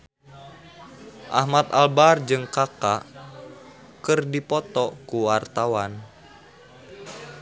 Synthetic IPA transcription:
ʔa̰hmat̪albard͡ʒɨŋkaka | kɨrdipɔt̪ɔkuwart̪awan

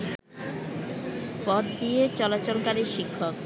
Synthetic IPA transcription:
pɔd̪d̪iet͡ɕɔlat͡ɕolkaɾiɾʃikʰːok

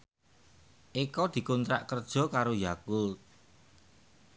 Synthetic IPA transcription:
ʔikɔd̪̥i̤kunt̪ɾa̰ʔkərd̥ʒ̥ɔ̤kaɾojakʊl

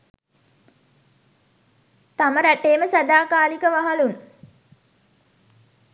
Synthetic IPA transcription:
t̪aməɾæʈeːməsad̪aːkaːlikəʋaɦalun

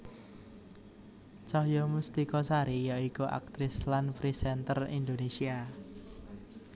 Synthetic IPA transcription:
t͡ʃɔhjɔmust̪ikɔsaɾijaikuʔa̰k̚t̪ɾɪslanfɾisɛnt̪ərḭnd̪onesia

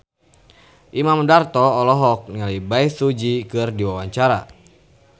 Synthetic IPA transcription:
ʔimamdart̪ɔːlɔɦɔk̚niŋalibaisud͡ʒikɨrdiwawaɲt͡ʃaɾa̰

